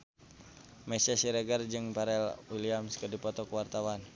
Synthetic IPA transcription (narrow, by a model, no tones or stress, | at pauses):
mɛsasiɾɛɡard͡ʒɨŋpaɾɛlwiliamskədipɔt̪ɔkəwart̪awan